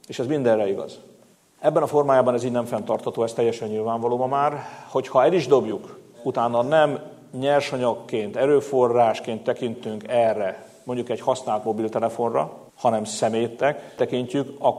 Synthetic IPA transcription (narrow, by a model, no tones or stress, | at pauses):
eːʃɛzmind̪ɛrɛiɡɒ̰z | ɛbːɛnɒfo̞rmaːjaːbɒnɛziːɟnɛɱfɛnt̪ɒrt̪hɒt̪oːɛst̪ɛjːɛʃɛɲːilvaːɱvɒloːmɒmaːrho̞chɒɛliʒd̪o̞bjuk | ut̪aːnːɒnɛm | ɲɛrʃɒɲɒkːeːnt̪ɛɾøːfo̞rːaːʃkeːnt̪ːɛkint̪yŋkɛrːɛ | mo̞ɲɟukɛɟhɒsnaːlt̪mo̞bilt̪ɛlɛfo̞nrɒ̰ | hɒnɛmsɛmeːt̪ɛkt̪ɛkiɲcykɒ